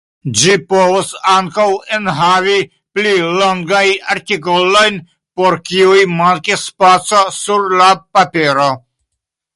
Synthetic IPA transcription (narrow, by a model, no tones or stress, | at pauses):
d͡ʒipovosaŋkawenɦavi | pliloŋɡajaɾtikolo̞jn | poɾkiujmaɾkispat͡sosuɾlapapeɾo